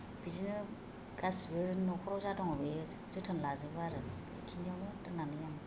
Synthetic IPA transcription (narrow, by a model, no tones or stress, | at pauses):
b̥izinɯ | ɡasbɯɾnɔkʰɔɾɔzatɔŋɔbe | zɯtʰanlazɯbaɾɯ | ḛkʰiniawnɯtɯnanɯjaŋ